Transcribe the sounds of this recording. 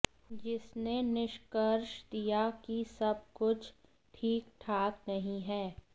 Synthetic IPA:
d͡ʒɪsnenɪʃkəɾʃd̪ijakisɐb̚kʊt͡ʃʰ | ʈʰiːkʈʰaːknɐɦĩɦɛː

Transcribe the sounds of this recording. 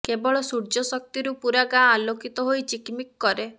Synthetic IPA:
kebɔɭɔsuɾd͡ʒɔsɔk̚t̪iɾupuɾaɡãalokit̪ɔɦojt͡ʃikmikːɔɾe

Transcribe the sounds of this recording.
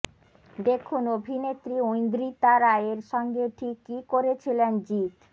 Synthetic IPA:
d̪ekʰunobʱinet̪ːɾiojnd̪ɾit̪aɾaeɾʃɔŋɡeʈʰikːikoɾet͡ɕʰilend͡ʑit̪

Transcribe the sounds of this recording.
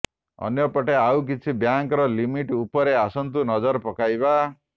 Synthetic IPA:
ɔ̰njɔpɔʈeawk̬it͡ʃʰibjaŋkɔɾɔlimiʈupɔɾeasɔnt̪unɔd͡ʒɔɾpɔkajba

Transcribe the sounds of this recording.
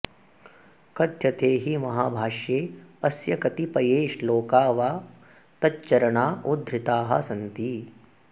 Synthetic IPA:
kɐd̪ʱjɐt̪eːɦimɐɦaːbʱaːʃjeːɐsjɐkɐt̪ipɐjeːʃloːkaːʋaː | t̪ɐtːt͡ʃɐɾɐɳaːʔud̪ʱɾɪt̪aːɦɐ̰sɐnt̪iː

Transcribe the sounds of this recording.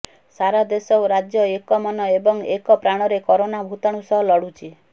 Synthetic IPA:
saɾad̪esɔwɾad͡ʒjɔekɔmɔnɔebɔŋekɔpɾaɽ̃ɔɾekɔɾonabʱut̪aɽ̃usɔɦɔlɔɽut͡ʃʰi

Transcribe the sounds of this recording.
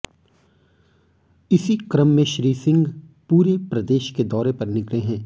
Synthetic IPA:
ɪsikɾəmːẽʃɾiːsɪ̃ŋɡ | puːɾepɾɐd̪eːʃked̪ɔːɾepɐɾnɪkleɦɛ̃ː

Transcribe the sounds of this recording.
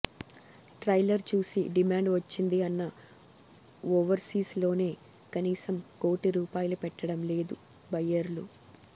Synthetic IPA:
ʈɾɐjlɐɾt͡ʃuːsiɖimaːɳɖʋɐt͡ʃːind̪iɐnːɐ | ɔːʋɐɾsiːslo̞ːne̞ː | kɐniːsɐmko̞ːʈiɾuːpaːjɐlupɛʈːɐɽɐmle̞ːd̪u | bɐjːɐɾlu

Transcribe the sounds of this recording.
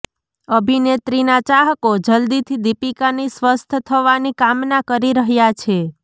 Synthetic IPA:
əbʱinet̪ɾinat͡ʃaɦəkod͡ʒəld̪it̪ʰid̪ipikanisʋəst̪ʰət̪ʰəʋanikamnakəɾiɾəɦjat͡ʃʰe

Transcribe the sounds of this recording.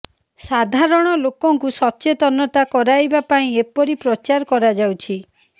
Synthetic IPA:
sad̪ʱaɾɔɽ̃ɔlokɔŋkusɔtːt͡ʃet̪ɔnɔt̪akɔɾajbapaĩepɔɾipɾɔt͡ʃaɾkɔɾad͡ʒawt͡ʃʰi

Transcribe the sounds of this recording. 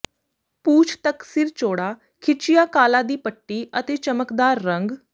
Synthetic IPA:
puːt͡ʃʰt̪əksiːɾt͡ʃoːɽaː | kʰɪt͡ʃɪjaːkaːlãːd̪iːpəʈːiːʔət̪eːt͡ʃəməkd̪aːɾːə̃ŋɡ

